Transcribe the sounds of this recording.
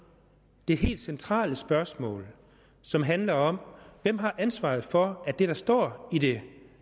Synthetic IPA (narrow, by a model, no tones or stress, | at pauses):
d̥e̝ɦe̝̰ːld̥sent͡sʰʁɑ̰̈ːləsb̥ɶɐsmɔ̰̽ːl | sɒ̽mɦænlɐɒ̽mʋem̰ɦɑ̈ʔænsʋɑ̰̈ːð̩ˠfɒ̽æd̥e̝ɾ̥ɑ̈sd̥ɒ̰ːid̥e̝